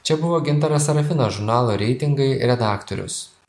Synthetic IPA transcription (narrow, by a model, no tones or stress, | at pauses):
t͡ʃʲɛbʊʋoːɡʲɪnt̪ɐɾɐsɐɾɐfʲɪnoʒʊɾnɑːlˠoːɾʲɛɪt̪ʲɪŋɡɐɪɾʲɛd̪ɑːkt̪ɔ̰ɾʲʊ̰s